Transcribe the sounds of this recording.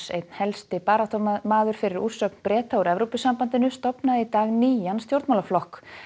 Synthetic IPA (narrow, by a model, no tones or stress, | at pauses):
sejt̪̚n̥hɛlst̪ɪpaːɾaht̪ɔmaːðʏɾ̥fɪɾɪɾur̥sœkn̥pɾɛːt̪auɾɛvɾowpɪsːampant̪ɪnʏst̪ɔpnaðɪit̪aːɣniːjanst̪jowɾt̪mawlaflɔhk